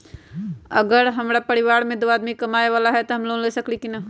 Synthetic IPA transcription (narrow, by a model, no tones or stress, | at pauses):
ɐɡəɾɦɐmɾapɐɾɪʋaːɾmẽd̪oaːd̪mikɐmaːeʋaːlaɦɛt̪oɦɐmlõːleːsɐklikina